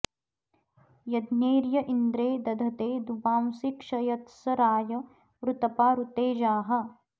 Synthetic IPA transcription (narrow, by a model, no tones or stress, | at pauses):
jɐd̪neːɾjɐʔind̪ɾeːd̪ɐd̪ʱɐt̪eːd̪ubaːmsikʃɐjɐt̪sɐɾaːjɐ | ʋɾut̪ɐpaːɾut̪eːd͡ʒaːɦɐ